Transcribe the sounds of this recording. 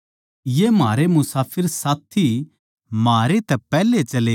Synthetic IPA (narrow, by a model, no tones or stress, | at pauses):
jemaːɾemʊsaːpʰɪɾsaːt̪ʰi | maːɾet̪ɛpɛːlet͡ʃɐleː